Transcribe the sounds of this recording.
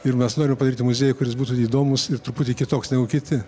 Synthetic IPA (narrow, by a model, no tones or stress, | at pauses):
ɪrmʲɛsnoːɾʲɪmʲɛpɐd̪ɐɾʲiːt̪ʲɪmʊzʲeːjʊkʊɾʲɪsbuːt̪uːiːd̪oːmʊsɪrt̪ɾʊpuːtʲɪkʲɪt̪oːksnʲɛɡʊkʲɪt̪ʲɪ